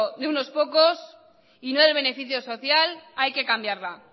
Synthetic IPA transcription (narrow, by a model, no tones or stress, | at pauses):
ðeuno̞spo̞ko̞s | inoðeβ̞e̞ne̞fiθjo̞so̞θjalajke̞kambjaɾla